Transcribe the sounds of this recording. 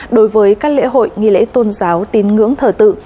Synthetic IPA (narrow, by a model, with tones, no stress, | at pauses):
ɗo˨˦jvəː˨˦jkaː˦˥k̚lḛ˧˥ɦo̰˧˨jŋḭ˧˨lḛ˧˥t̪o˧nzaː˨˦wt̪i˨˦nŋɨ̰˧˥əŋt̪ʰəː˧˩t̪ɨ̰˧˨